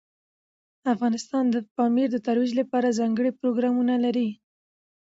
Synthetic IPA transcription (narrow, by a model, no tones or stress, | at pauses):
afɣɑnɪst̪ɑnd̪əpɑmiɾd̪ət̪aɾwid͡ʒlapɑɾazɑŋɡəɽipɾoɡɾɑmunalaɾi